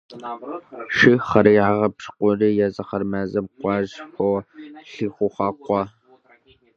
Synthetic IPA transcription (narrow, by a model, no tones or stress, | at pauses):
ʃɨχɐɾjʕaʁɐpʂqʷɔriːjazɐχɐrmazɐmqʷɑːʒxʷowɬɨxʷʊχɑːqʷɔ